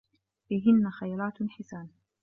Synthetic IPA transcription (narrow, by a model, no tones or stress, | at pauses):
bɪɦɪnːaxajɾˤɑːt̪ħɪsaːn